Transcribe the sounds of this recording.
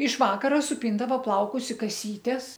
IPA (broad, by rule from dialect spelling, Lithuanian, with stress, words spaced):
ɪʃ ˈʋɑːkɐrɐ sʊˈpʲiːndɐʋoː ˈplˠɐʊkʊs ɪ kɐˈsʲiːtʲɛs